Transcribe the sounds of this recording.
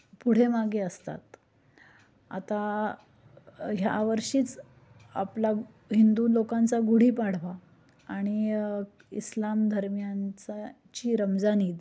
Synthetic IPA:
puɽ̤emaɡeəst̪a̰t̪ | a̰t̪a | ɦja̰ʋəɾʂiːt͡s | a̰pla | ɦind̪ulokãnt͡saɡuɽ̤iːpaɽ̤ʋa | aɽ̃i | ḭslamd̪ʱəɾmjant͡sa | t͡ɕiːɾəmd͡zaniːd̪

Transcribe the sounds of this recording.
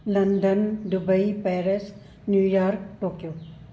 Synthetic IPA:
lɐnɖ̪ənɖʊbəipɛːɾes | njujaːɾkʈoːkjoː

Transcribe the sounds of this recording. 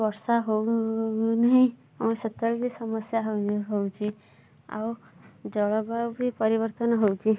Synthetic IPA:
bɔɾsaɦow | naɦĩ | amɔset̪ɔɭbʱisɔmɔsjaɦɦowt͡ʃʰi | a̰w | d͡ʒɔɭɔbawbʱipɔɾibɔɾt̪ɔnɔɦowt͡ʃʰi

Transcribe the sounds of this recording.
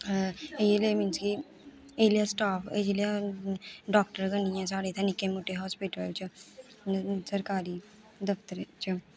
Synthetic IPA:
ejlemɪnski | elijasʈaːped͡ʒlia | ɖɔːk̚ʈəɾɡɐniãsaːɽet̪ʰanɪkemoːʈeɦɔːspiʈəlt͡ʃu | sɐɾkaːɾi | d̪ɐft̪əɾt͡ʃu

